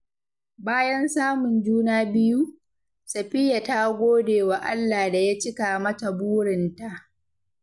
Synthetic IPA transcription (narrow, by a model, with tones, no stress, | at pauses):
baː˦jɐ˦nsaː˦mʊ˨nd͡ʒuː˦naː˦bɪ˦ju˦ | sɐ˨ɸɪ˦ja˨ta˦ɡʷoː˦deː˨wa˨ʔa̰˦lːaː˨da˨ja˦t͡ʃɪ˦ka˨mɐ˦ta˨buː˦ɽɪ˨nta˨ʔ